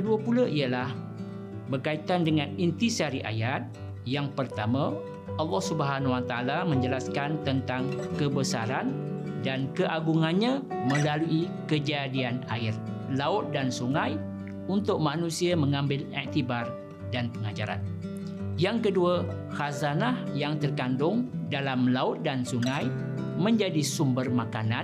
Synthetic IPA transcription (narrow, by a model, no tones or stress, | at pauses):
kəduəpuləʔiəlah | bərkait̪andəŋãnint̪isaɾiʔa̰jat̪̚ | jaŋpərt̪amã | ʔɑlːɔhsubəɦanwat̪aalamə̃ɲd͡ʒəlaskant̪ənt̪aŋkəbəsa̰ɾandankəʔaɡuŋanɲãmə̃laluʔi | kəd͡ʒadianaɪr | laʊt̪̚dansuŋãj | unt̪ʊk̚mãnũsiaməŋãmbɪlɛ̰ʔt̪ibar | danpəŋad͡ʒa̰ɾa̰n | jaŋkədua | xazanahjaŋt̪ərkandʊŋdalamlaʊt̪̚dansuŋãj | mə̃ɲd͡ʒadisumbərmakana